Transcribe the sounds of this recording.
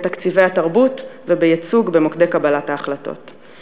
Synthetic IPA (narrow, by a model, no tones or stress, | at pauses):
takt͡sive̞jataʁbutvebejat͡suɡbe̞mokde̞kabalataːχlato̞̰t